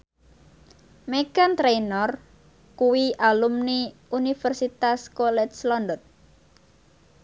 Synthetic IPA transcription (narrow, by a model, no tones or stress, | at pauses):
meɡant̪ɾejnɔr | kuwiʔalumniunifərsit̪askolɛt̪slɔnd̪ɔt̪̚